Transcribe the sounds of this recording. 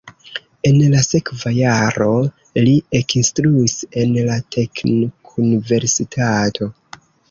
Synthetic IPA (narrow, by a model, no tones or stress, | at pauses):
e̞nlase̞kvajaɾo̞ | liekinstɾuise̞nlatʰe̞knokʰunive̞ɾsitʰatʰo̞